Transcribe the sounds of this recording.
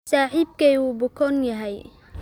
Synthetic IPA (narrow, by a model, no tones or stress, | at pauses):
saːħiːb̚kɛjuːbʊkʰɔnjɐɦɛj